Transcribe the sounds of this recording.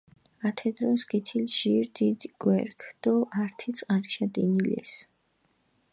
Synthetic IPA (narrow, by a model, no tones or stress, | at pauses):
at̪ʰɛd̪ɾɔsɡit̪ʰilʒiɾd̪id̪ɡ̥wɛɾkʰd̪̥ɔʔaɾt̪ʰit̪sʼqʼaɾt͡ʃʰad̪inilɛ̰s